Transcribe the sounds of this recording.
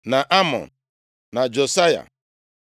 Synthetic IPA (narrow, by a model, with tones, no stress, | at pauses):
na˨ʔa˦mɔ̰˨n | na˨d͡ʒo˨sa˦ja̰˨